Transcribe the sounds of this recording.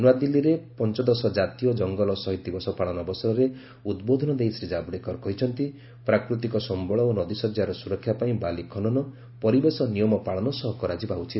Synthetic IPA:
nuwad̪ilːiɾepɔnt͡ʃɔd̪ɔsɔd͡ʒat̪ijɔd͡ʒɔŋɡɔlɔsɔɦit̪ibɔsɔpaɭɔnɔbɔsɔɾɔɾe | ud̪bod̪ʱɔnɔd̪ejsɾid͡ʒabɽekɔɾkɔɦit͡ʃʰɔnt̪i | pɾakɾut̪ikɔsɔmbɔɭɔonɔd̪isɔd͡ʒjaɾɔsuɾɔkʰːjapaĩbalikʰɔnɔnɔ | pɔɾibesɔnijɔmɔpaɭɔnɔsɔɦɔkɔɾad͡ʒibaut͡ʃʰit̪

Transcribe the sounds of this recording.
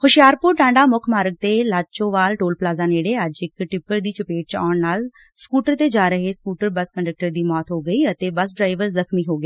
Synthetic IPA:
hʊʃɪjaːɾpʊɾʈãːɳɖaːmʊkʰmaːɾək̚t̪eːlaːt͡ʃõːʋaːlʈoːlplaːzaːneːɽeːəd͡ʒɪkʈɪpːəɾd̪iːt͡ʃəpeːʈ̚t͡ʃa̰ːɳnaːl | skuːʈəɾt̪eːd͡ʒaːɾəɦeːskuːʈəɾbəskəɳɖək̚ʈəɾd̪iːmɔːt̪ɦoːɡəiːət̪eːbəsɖɾaːɪʋəɾzəkʰmiːɦoːɡeː

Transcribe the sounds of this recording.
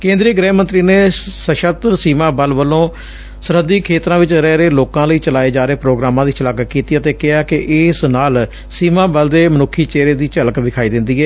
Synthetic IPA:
kẽːnd̪ɾiːɡɾɛːmə̃nt̪ɾiːneːsəʃət̪ɾsiːmãːbəlʋəlõː | səɾəd̪ːiːkʰeːt̪ɾãːʋɪt͡ʃɾɛːɾeːloːkãːləiːt͡ʃəlaːeːd͡ʒaːɾeːpɾoːɡɾaːmãːd̪iːt͡ʃələkkiːt̪iːət̪eːkɪaːkɪʔɪsnaːl | siːmãːbəld̪eːmənʊkʰːiːt͡ʃeːɾeːd̪iːt͡ʃələkʋɪkʰaːiːd̪ɪ̃nd̪iːɦɛː

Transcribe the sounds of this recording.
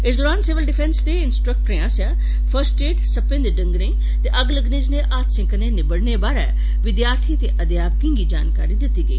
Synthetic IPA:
ɪsd̪oːɾaːnsɪʋəlɖɪfʰɛ̃nst̪eɪnsʈɾək̚ʈəɾẽaːsjaː | fʰəɾsʈeːʈsɐpẽnd̪eɖɐ̃ŋɡɾẽ | t̪eʔɐɡləɡnɪd͡ʒneʔaːt̪sɪ̃ŋkənenɪbəɽnebaːɾɛ | ʋɪd̪jaːɾt̪ʰit̪eʔɐd̪jaːb̚kĩŋɡid͡ʒa̰ːnka̰ːɾid̪ɪt̪iɡəḭː

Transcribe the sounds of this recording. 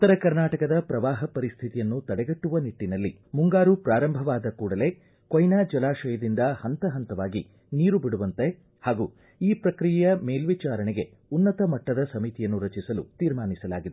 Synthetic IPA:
i̥t̪ːɐɾɐkɐɾnaːʈɐkɐd̪ɐpɾɐʋaːɦɐpɐɾist̪ʰit̪ijɐnːut̪ɐɽɛɡɐʈːuʋɐniʈːinɐlːi | muŋɡaːɾupɾaːɾɐmbʱɐʋaːd̪ɐkuːɽɐle̞ː | kojnaːd͡ʒɐlaːʃɐjɐd̪ind̪ɐhɐnt̪ɐɦɐnt̪ɐʋaːɡi | niːɾubiɽuʋɐnt̪e | haːɡuː | iːpɾɐkɾijjɐmeːlʋit͡ʃaːɾɐnɛɡe̞ | unːɐt̪ɐmɐʈːɐd̪ɐsɐmit̪ijɐnːuɾɐt͡ʃisɐlṵt̪iːɾmaːnisɐlaːɡid̪e

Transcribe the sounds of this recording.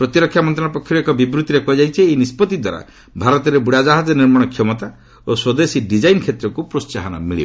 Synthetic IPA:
pɾɔt̪iɾɔkʰːjamɔnt̪ɾãnɔpɔkʰjɔɾekɔbibɾut̪iɾekɔid͡ʒajt͡ʃʰiːjnispɔt̪id̪waɾa̰ | bʱaɾɔt̪ɔɾebuɽad͡ʒaɦad͡ʒɔniɾmɔɽ̃ɔkʰjɔmɔt̪a | oswɔd̪esiɖid͡ʒajnkʰet̪ɾɔkupɾost͡ʃaɦanɔ̰miɭḭbɔ

